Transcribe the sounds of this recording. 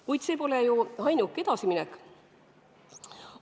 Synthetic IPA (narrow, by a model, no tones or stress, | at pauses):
kujd̪̥se̞ːpo̞lejuɑjnukːˑe̞d̪̥ɑsiminɛk